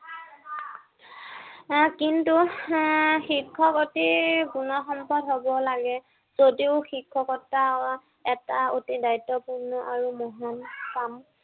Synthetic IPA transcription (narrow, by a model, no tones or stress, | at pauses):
kintu | xikʰːɔkotiɡunɔxɔmpɔdɦobɔlaɡɛ | z̥odiʊxikʰːɔkɔta | ɛtaotidajtːɔpuɹnɔʔaɹumɔɦankam